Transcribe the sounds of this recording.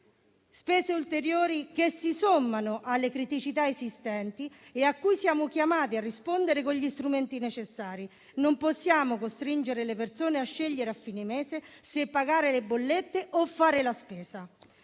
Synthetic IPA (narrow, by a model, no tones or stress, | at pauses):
spɛːzeult̪eɾjoːɾikesːisomːanoʔalːekɾit̪it͡ʃit̪aezist̪ɛnt̪ieakːujsjaːmʊk̟jamaːt̪iarːispond̪eɾekoʎist̪ɾument̪inet͡ʃesːaːɾi | nomposːjaːmokost̪ɾind͡ʒeɾelepert̪soːneaʃːeʎːeɾeafːiːnemeːzesepːaɡaːɾelebːolːet̪ːeʔofːaːɾelaspɛːza